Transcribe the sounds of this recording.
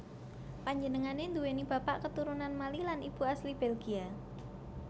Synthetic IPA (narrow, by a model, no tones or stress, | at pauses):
paɲd͡ʒənəŋanend̪uwenib̥a̤paʔkət̪uɾunanmalilanib̥ṳaslib̥ɛlɡia